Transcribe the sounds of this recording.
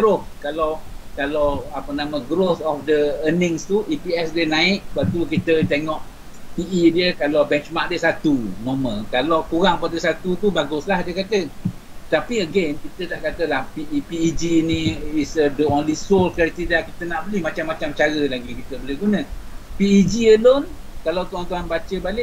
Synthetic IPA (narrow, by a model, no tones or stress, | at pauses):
ɡɾoθkalawkalawapənamə̃ɡɾoθɔfdəənɪ̃ŋst̪uʔipiɛsdenãɪʔ̪̚bat̪ukit̪ət̪eŋɔʔ | piʔidiəkalawbɛnt͡ʃmak̚dəsat̪unomə̃kalawkuɣaŋpadəsat̪ut̪ubaɡʊslahdiəkat̪ət̪apiəɡenkit̪ətaʔkat̪əlahpipiid͡ʒinĩisədəonlisolkaɾk̚t̪idakit̪ənaʔbəlihmat͡ʃamːat͡ʃamt͡ʃaɾəlaɡikit̪əbəlɪhɡunə̃piid͡ʒiəlonkalawt̪uɦant̪uɦanbat͡ʃəbalɪʔ